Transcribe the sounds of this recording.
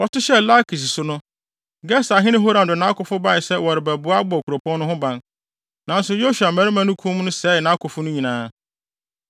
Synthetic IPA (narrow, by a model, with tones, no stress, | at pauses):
wɔ˨tʊ˦ɕɛ˦la˦kʰi˨s̬sʊ˨nʊ̃˦ | ɡɛ˦sa˨ɦɪ˦nɪ̃˦ɦo˦ɾã˨ndʊ˨nã˦kʊ˨fʊ˦ba˦˨ɪ˨sɛ˦wɔ˨ɾɪ˨bæ˨bʊ˨˦a˦bɔ˦˨kʰu˨ɾo˨pʰɔ̃˦nː˦ʊ̃˦ɦʊ̃˦bã˦n | nã˨n̩˦sʊ˨jo˦su˨a˨mæ̃˨ɾi˦mã˦nʊ̃˦kʰũ˦m˦nʊ̃˦sɛː˦˨nã˦kʊ˨fʊ˦nʊ̃˦ɲĩ˨nãː˦